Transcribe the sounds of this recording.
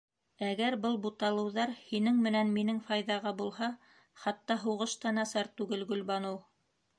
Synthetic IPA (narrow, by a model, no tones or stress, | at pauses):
æɡæɾbɤlˠbut̪ɑlˠɤ̆wðɑɾhinɘŋmɘ̆nænminɘŋfɑjðɑʁɑbulˠɦɑ | χɑt̪ːɑɦuʁɤ̆ʃt̪ɑnæsɑɾt̪ʉɡɘlɡɵ̆lbɑnɤw